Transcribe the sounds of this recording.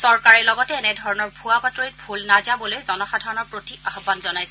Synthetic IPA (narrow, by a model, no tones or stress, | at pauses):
sɔɹkaɹɛlɔɡɔtɛːnɛdʱɔɹɔnɔɹbʱuabatoit̚bʱulnad͡ʒabɔlojzɔnɔxadʱaɹɔnɔɹpɹotikaxɔbːanzɔnajsɛ